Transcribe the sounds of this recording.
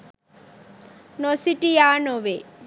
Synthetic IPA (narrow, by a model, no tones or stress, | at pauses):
nosiʈijaːnoʋe